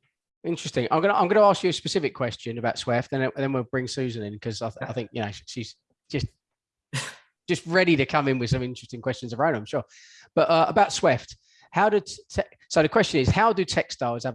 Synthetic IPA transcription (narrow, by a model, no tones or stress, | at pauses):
ɪ̃nt͡ʃɹ̥ɨstɪ̃ŋã̰ɪ̃mɡʌnəʔãɪ̃mɡʌnəɑˑskjəəspəsɪfɪkʰw̥ɛst͡ʃɨ̃nəbaʊtswɪftə̃nə̃ðə̃nwibɹɪ̃ŋsʉːzə̃nɪ̃nkʰʌzaɪaɪθɪ̃ŋkjɨnəʊʃʃiz̥ | d̥ʒ̥ʌs | d̥ʒ̥ʌst̚ɹɛɾiɾɨkʰʌ̃mɪ̃nwɨð̥sʌ̃mɪ̃nt͡ʃɹ̥ɨstɪ̃ŋkʰw̥ɛst͡ʃə̃nzəvɹə̃ʊnãɪ̃mʃɔː | b̥ʌtʌəbaʊtswɪft | haʊɾətʰɛ | səʊðəkʰw̥ɛst͡ʃɨ̃nɪz̥haʊdɨtʰɛkstaɪz̥ə